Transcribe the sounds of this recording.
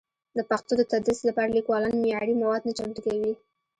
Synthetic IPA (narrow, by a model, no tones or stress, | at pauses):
d̪əpaxt̪od̪ət̪ad̪ɾislapɑɾalikwɑlɑnmɪjɑɽimawɑd̪̚nat͡ʃaŋʈəkawi